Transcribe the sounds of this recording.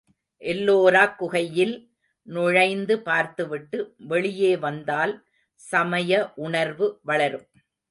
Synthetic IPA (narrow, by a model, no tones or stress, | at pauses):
ʔɛlːoːɾaːkːʊɣɐjɪl | nʊɻɐɪnd̪ɯpaːɾt̪ɯʋɪʈːɯʋɛɭɪjeːʋɐnd̪aːl | sɐmɐjɐʔʊɳɐɾʋɯʋɐɭɐɾɯm